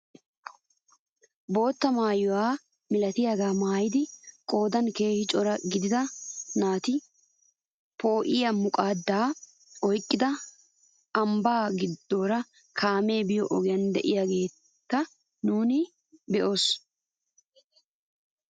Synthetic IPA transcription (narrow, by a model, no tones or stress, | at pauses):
bo̞ːt̪ːɐmaːjɔwaː | mɪlɐt̪ɪjaɡaːmaːjɪd̪ɪkʼo̞ːd̪ɐnke̞ːhɪt͡ʃʼɔɾɐɡɪd̪ɪd̪ɐnaːt̪ɪ | po̞ːʔɪjɐmʊkʼaːd̪ːaː | ɔjkʼːɪd̪ɐ | ɐmbaːɡɪd̪ːo̞ːɾɐ | kʰaːme̞ːbɪjɔʔɔɡɛjɐnd̪ɛ̰ʔɪjaːɡe̞ːt̪ːɐ | nuːnɪ | bɛʔo̞ːs